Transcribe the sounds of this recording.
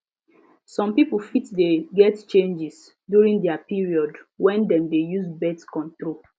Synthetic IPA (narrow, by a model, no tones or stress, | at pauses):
sɔ̃mpipolfitdeɡɛtt͡ʃẽnd͡ʒɛs | djuɹĩŋdɛapiɹiɔdwɛ̃ndɛ̃mdejusbɛdskɔ̃ntɹo